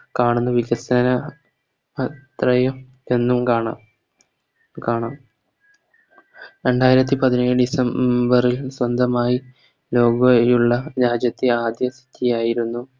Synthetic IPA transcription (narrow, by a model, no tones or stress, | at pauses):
kaːɳunːuʋiɡɐsɐnɐ | t̪rɐjɐm | e̞nːumkaːɳa | kaːɳaːm | ɾe̞ɳɖaːjiɾɐt̪̬ːipɐðineːjɨɖisɐmbɐrilswɐnd̪ʱɐmaːji | lo̞ːɡɐjuɭːɐd͡ʑaːd͡ʑjɐt̪ːɨaːd̪jɐsit̪ʰːijaːjiɾunːu